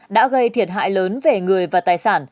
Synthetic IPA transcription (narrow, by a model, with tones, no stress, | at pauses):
ɗa̰ː˧˥ɣə˧jt̪ʰi˨˩ət̚ɦa̰ː˧˨jləː˨˦nve˨˩ŋɨ˨˩əjvaː˨˩t̪aː˨˩jsaː˧˩n